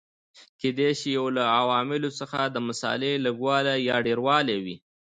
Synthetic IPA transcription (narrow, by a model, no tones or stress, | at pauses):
ked̪eʃijawlaawɑmɪlosəxad̪əmasɑ̰leləɡwɑlajɑɖeɾwɑlewi